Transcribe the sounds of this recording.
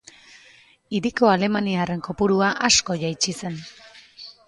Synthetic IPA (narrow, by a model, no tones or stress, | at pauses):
iɾiko̞ale̞maniare̞ŋko̞puɾuaʔasko̞ʝajt͡ʃise̞n